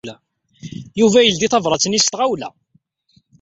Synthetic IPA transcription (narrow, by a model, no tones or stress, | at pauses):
læ | juvæjəld̪iθɑvɾˤɑt͡sːənist̪ʁawlæ̰